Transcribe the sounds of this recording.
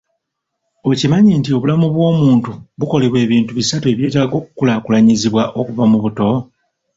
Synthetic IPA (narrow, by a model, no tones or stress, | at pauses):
o̞cimaɲintio̞βulamuβwo̞ːmuːntuβuko̞leβwe̞ːβiːntuβisatue̞βje̞ːtaːɡo̞ːku̥kulakulaɲiziβwaʔo̞kuvamuβuto̞